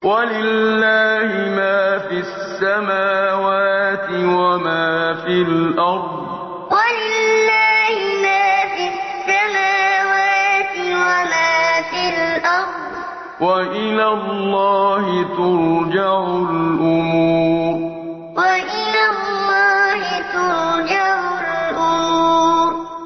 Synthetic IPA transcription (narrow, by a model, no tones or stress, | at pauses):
walɪlːaːhɪmaːfi | sːamaːwaːt̪ɪwamaːfɪlʔɑɾˤd̪ | walɪlːaːhɪmaːfɪsːamaːwaːt̪ɪwamaːfɪlʔɑɾd̪ˤ | waʔɪlalːɑːhɪt̪ʊɾd͡ʒaʕʊlʔʊmuːɾɾ | waʔɪlalːɑːhɪt̪ʊɾd͡ʒaʕʊlʔʊmuːɾɾ